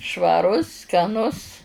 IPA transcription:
ʃʋɐˈrʊs skɐˈnʊs

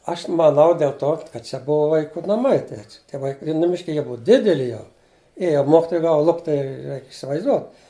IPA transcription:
ˈɐʃ mɐˈnɐʊ dʲeːlˠ ˈtoː kɐt ˈt͡ʃʲɛ ˈbʊʋɐ ʋɐɪˈkuː nɐˈmɐɪ ˈtʲiɛ tʲiɛ ˈʋɐɪk ɪ nʊˈmʲɪʃʲkʲɪ ˈjiɛ ˈbʊʋɐ ˈdʲɪdʲɛlʲɪ jɛʊ ˈeːjɛ ˈmoːkʲɪtoːjɛ ˈɡɑːʋɐ ˈlˠʊpʲtʲ tɐɪ ˈrʲɛɪkʲ ɪsʲɪʋɐɪzˈduɔt

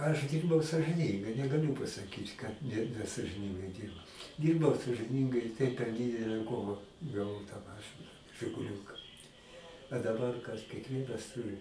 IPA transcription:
ɐʃ ˈdʲiːrbɐʊ sɐʒɨˈnʲiːŋɡɐɪ nʲɛɡɐˈlʲʊ pɐsɐˈkʲiːt kɐt nʲɛ nʲɛsɐʒʲɪˈnʲɪŋɡɐɪ ˈdʲiːrbɐʊ ˈdʲiːrbɐʊ sɐʒɨˈnʲiːŋɡɐɪ ɪ tɐɪ pʲɛr ˈdʲɪdʲɛlʲɛ ˈkoːʋɐ ɡɐˈʋɐʊ tɑː ˈmɑːʃɨnɐ ʒʲɪɡʊˈlʲuːkɐ ɐ dɐˈbɐr kɐs kʲiɛkˈʋʲiɛnɐs ˈtʊrʲɪ

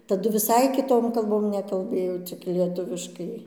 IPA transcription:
tɐˈdʊ ʋʲɪˈsɐɪ kʲɪˈtoːm kɐlˠˈboːm nʲɛkɐlˠˈbɘjoː t͡sʲɪk lʲiɛˈtʊʋʲɪʃkɐɪ

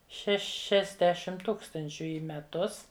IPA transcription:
ʃʲɛʃʲɛzʲˈdʲæːʃʲɪm ˈtuːkstɐnʲt͡ʃʲʊ iː mʲɛˈtʊs

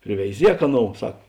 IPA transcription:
pʲrʲɪʋʲɛɪˈzʲiɛk ˈɑːˌnoːʊ ˈsɐk

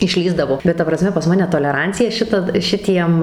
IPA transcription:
ɪʃʲˈlʲiːzdɐʋoː bʲɛt ˈtɐ prɐˈsʲmʲɛ pɐs ˈmɑːnʲɛ toːlʲɛˈrɐnʲt͡sʲɪjɛ ˈʃʲɪtɐ ˈʃʲɪtʲiɛm

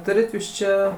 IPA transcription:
ˈtʊrʲɪt ˈjuːs ˈt͡ʃʲɛ

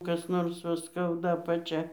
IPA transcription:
kɐs ˈnoːrs ʋɐ ˈskɐʊdɐ ɐpɐˈt͡ʃʲɛ

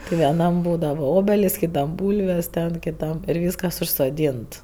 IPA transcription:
tʲɪ ʋʲiɛˈnɐm ˈbuːdɐʋɐ ˈoːbʲɛlʲɪs kʲɪˈtɐm ˈbuːlʲʋʲeːs tʲɛn kʲɪˈtɐm ɪr ˈʋʲiːskɐs ʊʃsoːˈdʲiːnt

